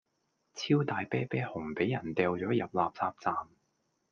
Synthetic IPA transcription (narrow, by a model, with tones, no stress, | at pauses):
t͡sʰiː˥wt̪aː˨˧jpɛː˥pɛː˥hʊ˨˩ŋpe˨˥jɐ˨˩nt̪ɛː˨˧wt͡ʃɔː˨˥jɐ˨p̚laː˨p̚t͡saː˧p̚t͡saː˨m